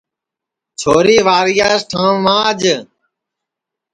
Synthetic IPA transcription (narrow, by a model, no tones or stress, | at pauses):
t͡ʃʰoːɾiːʋaːɾɪjaːsʈʰãːʋãːd͡ʒ